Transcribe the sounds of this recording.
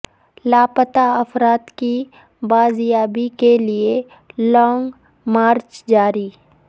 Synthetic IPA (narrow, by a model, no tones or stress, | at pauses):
laːpət̪aɐfɾaːt̪ki | baːzjaːbikelie | lɔːŋɡ | maːɾt͡ʃd͡ʒaːɾi